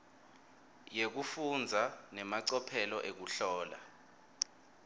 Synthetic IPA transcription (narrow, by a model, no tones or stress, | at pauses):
jek̬ufund͡zʱanɛmaǀɔpʰɛlɔʔek̬uɬɔːla̰